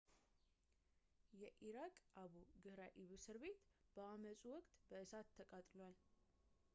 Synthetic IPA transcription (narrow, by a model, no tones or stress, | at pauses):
jɛʔiɾakʼʔaβuɡɨhɾaʔiβɨsɨɾβe̞t̪b̥əaməsʼuwɔkʼt̪ʼbəʔɨsat̪ʰːəkʼat̪ʼlwal